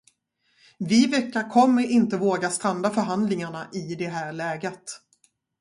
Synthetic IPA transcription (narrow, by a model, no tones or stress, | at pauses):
vɪvɛkːaɾkʰɔmːəɾɪnt̪əvoːɡast̪ɾand̪afœɾɦand̪lɪŋaɳaʔɪd̪ɛɦæːɾɭɛːɡət̪